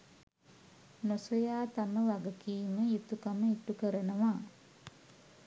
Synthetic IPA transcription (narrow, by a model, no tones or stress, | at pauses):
nosojaːt̪aməʋaɡəkiːməit̪ukaməit̪ukəɾənəʋa